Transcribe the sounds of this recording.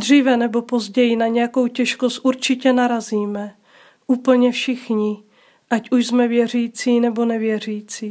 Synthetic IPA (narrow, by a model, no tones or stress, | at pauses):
dr̝iːvɛnɛbo̞po̞zɟɛjɪnaɲɛjako̞wcɛʃko̞st̪̚ʔuɾt͡ʃɪcɛnaɾaziːmɛ | ʔuːpl̩ɲɛfʃɪxɲɪ | ʔacʔuʃzmɛvjɛr̝iːt͡siːnɛbo̞nɛvjɛr̝iːt͡siː